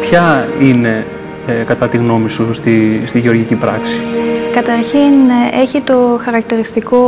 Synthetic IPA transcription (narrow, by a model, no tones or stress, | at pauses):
pçɐine̞ | kɐt̪ɐt̪iɣno̞misust̪ist̪iʝeo̞ɾʝicipɾɐksi̥kɐt̪ɐɾçine̞çit̪o̞xɐɾɐk̚t̪iɾist̪iko̞